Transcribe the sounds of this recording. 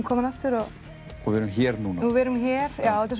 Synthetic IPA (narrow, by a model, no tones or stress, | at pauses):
mkʰɔːmanaft̪ɪɾɔ | uvɛɾʏmçɛːɾnuːnavɪɾʏmçɛːɾ̥jaːwɛt̪ʰːas